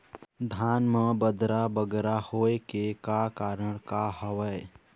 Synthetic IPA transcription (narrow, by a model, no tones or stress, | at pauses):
d̪ʱaːnməbəd̪ɾabəɡɾahoːekekakaːɾəɽ̃kaɦəʋə